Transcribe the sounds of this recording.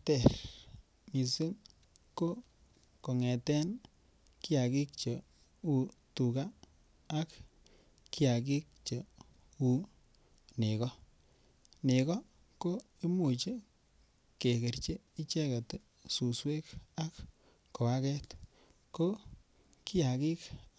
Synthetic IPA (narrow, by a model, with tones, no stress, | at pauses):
tɛ˨ɾ | mi˨si˦ŋ | ko˦ | ko˨ŋɛ˨tɛ˦n | ki˦a˨ki˦k̚t͡ʃɔ˨ | u˨tu˨kaː˦ | kː | i˦a˨k̬i˦k̚t͡ʃe˨ | u˦ | nɪ˨kɔ˦ | nɪ˨kɔ˦ | ko˦ | i˦mu˨t͡ʃe˦ | ke˨ke˨ɾt͡ʃe˦i˦t͡ʃɛ˦ka˨te˨ | su˨swe˦ka˦kː | o˨a˦kɛ˦t | ko˦ | ki˦a˨ki˦k